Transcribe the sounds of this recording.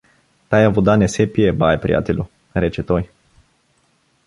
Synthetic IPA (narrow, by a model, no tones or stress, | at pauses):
t̪ajavud̪anesepiebajpɾʲḭa̰t̪ilu | ɾet͡ʃet̪oj